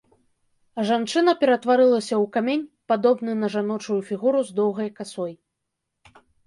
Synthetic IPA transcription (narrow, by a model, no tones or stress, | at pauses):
ʐant͡ʂɨnɐpʲɛɾɐt̪vaɾɨlˠɐsʲɐwkamʲenʲpad̪ɔbn̪ɨnɐʐanɔt͡ʂujufʲiɣuɾuzd̪ɔwɣɐjkasɔj